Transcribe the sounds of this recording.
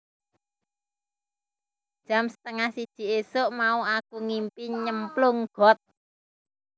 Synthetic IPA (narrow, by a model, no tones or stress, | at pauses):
d̥ʒ̥a̤msə̥t̪əŋahsid̥ʒ̥i̤esoʔmauakuŋimpiɲəmplʊŋɡ̥ɔ̤t̪̚